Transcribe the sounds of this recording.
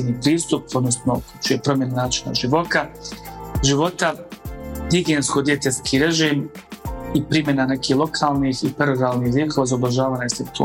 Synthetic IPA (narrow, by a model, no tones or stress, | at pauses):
niːpɾiːst̪upʰod̪nosnoku̥t͡ʃujepɾo̞mje̞nanaːt͡ʃi̥na̰ʒiʋo̞t̪a | ʒiʋo̞t̪a | ɡiɡeːnsko̞d̪jet̪eskʰiːɾe̞ʒiːm | ipɾimjenane̞kiːlˠo̞kʰaːlˠnixipaɾoɾaːlˠniːxviːkʰoʋazaobaʒaːʋaːɲasekt̪u